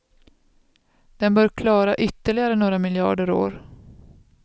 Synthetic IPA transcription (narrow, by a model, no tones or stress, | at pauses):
d̪̥ɛnbœːɾkʰlɑːɾaʔʏt̪ːəɭɪɡaɾənoːɾamɪljɑ̰ːɖəɾo̰ːɾ